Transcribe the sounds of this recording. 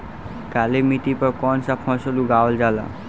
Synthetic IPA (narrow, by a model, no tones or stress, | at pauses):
kalemit̪ipɔkɔnsapʰɔ̃soluɡawld͡ʒala̰